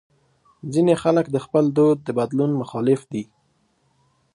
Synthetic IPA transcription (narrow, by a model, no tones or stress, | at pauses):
zinexaləkd̪əxpəld̪od̪̚ːəbad̪lunmʊxɑlɪfd̪i